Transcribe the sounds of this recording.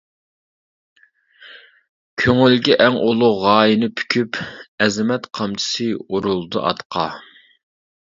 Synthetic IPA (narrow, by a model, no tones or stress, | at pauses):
kʲʰøŋylɡʲɛʔɛŋolˠuʁɑːjinɨpʰy̥kʲʰypɛzɪmɛt̪qʰɑmt͡ʃʰɪ̥sɨoɾulˠd̪ɨ̰ʔɑ̰t̪qʰɑ